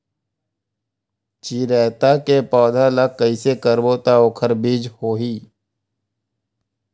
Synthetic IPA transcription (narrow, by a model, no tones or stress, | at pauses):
t͡ʃiːɾɛːt̪akepɔːd̪ʱalək̚kːəisekəɾbot̪aoːkʰəɾbiːd͡ʒhoːɦiː